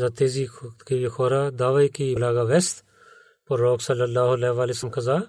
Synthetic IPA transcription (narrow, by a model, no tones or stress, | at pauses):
zaːt̪eːziːkiixʰoːɾaːd̪aːʋɐjkilaːɡaʋest̪ | poɾɾoːksɐlɐlːaːɦʊleʋaːlesɐmkɐzaː